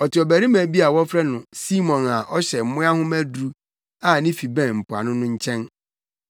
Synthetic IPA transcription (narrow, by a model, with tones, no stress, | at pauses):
ɔ˨tʰɪ˨ɔ˨bæ˨ɾi˦mæ̃˨bi˦a˨wɔ˦fɾɛ˦nʊ̃˨si˦mɔ̃˨na˨ʔɔ˦ɕɛ˨m̩˨mʊ̃˦a˦hʊ̃˦mæ˦dɾu˦ | a˨nɪ̃˦fi˨bɛ̃˦˨m̩˨pʰʊ˨a̰˨nʊ̃˦nʊ̃˦ɲ̩˦t͡ɕʰɛ̃˦n